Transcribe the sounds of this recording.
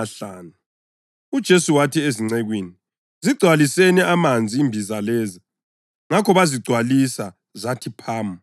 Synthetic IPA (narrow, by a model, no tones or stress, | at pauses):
aɬaːnu | ud̥ʒ̥ʱesuwatʰieziŋ͡ǀɛɣwiːni | ziɡ͡ǀʱwalisɛnɛamand͡zʱiːmbʱizalɛːzi | ŋakʰɔβaziɡ͡ǀʱwalisa | zatʰipʰaːma